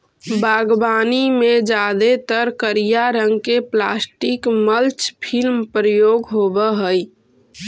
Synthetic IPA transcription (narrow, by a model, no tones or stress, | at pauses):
baːɡbaːnimẽd͡ʒad̪et̪əɾkəɾijaɾəŋɡkeplaːsʈikməlt͡ʃpʰilmpɾəjoːɡɦobəɦəj